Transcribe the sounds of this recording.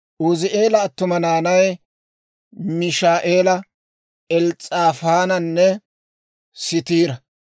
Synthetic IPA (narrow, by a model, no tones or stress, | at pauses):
ʔʊzɪʔe̞ːlɐːt̪ːʊmɐnaːnɐj | mɪʃaːʔeːlɐ | ɛlt͡sʼaːfaːnɐnːɛ | sɪt̪iːɾɐ